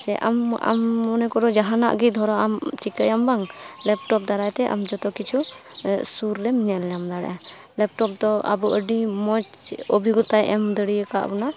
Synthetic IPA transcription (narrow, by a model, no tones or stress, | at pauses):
sɛʔa̰ma̰mːɔnɛkɔɾɔd͡ʒaɦana̰ʔɡid̪ʱɔɾɔamt͡ʃikəjambaŋlɛp̚ʈɔp̚d̪aɾajt̪ɛʔa̰md͡ʒɔt̪ɔkit͡ʃʰu | suɾːɛmɲaljamd̪aɽɛ̰ʔa | lɛp̚ʈɔp̚d̪ɔa̰buʔəɖimɔt͡ʃɔbʱiɡɔt̪ajʔɛmd̪əɽijəka̰ʔbɔna